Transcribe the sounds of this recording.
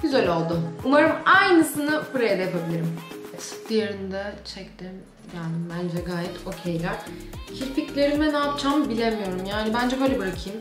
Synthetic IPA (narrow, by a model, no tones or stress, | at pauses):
ɡyzelʲo̞lˠd̪ʊumaɾɯmajnɯsɯnɯbuɾajad̪ajapʰabilʲiɾimt̪d̪ijeɾind̪ɛt͡ʃʰɛct̪ɪm | ɟælʲd̪imbænd͡ʒɛɡaːjɛt̪ʰo̞cʰejlʲæɾ̥cʰiɾficlʲe̞ɾinɛnaːt̪̚t͡ʃʰambilʲemijo̞ɾumjaːnibænd͡ʒɛbø̞jlʲɛbiɾakʰɯjɯm